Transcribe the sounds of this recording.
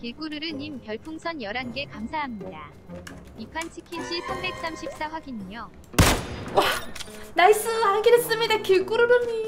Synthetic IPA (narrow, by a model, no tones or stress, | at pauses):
kiɭk͈uɾɯɾɯnimkjʌɭpʰuŋsʰʌnjʌɾanɡe̞kamsʰaɦamɲida | ipʰwant͡ɕʰi̥kʰinɕʰisʰambe̞k̚s͈amɕʰip̚s͈aɸwaɡiɲiɲo | wanais͈ɯaɭɡeɾes͈ɯmɲidakiɭk͈uɾɯɾɯɲi